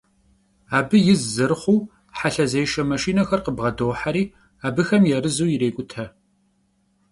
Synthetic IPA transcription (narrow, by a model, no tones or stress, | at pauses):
aːbɨjɪzzɨrχʷuw | ħaɬɐzejʃɐmɐʃiːnɐxɐrqəbʁɐdoːħaɾiː | aːbɨxɐmjɛrɨzuːjɪɾeːkʷʼʊtʰɐ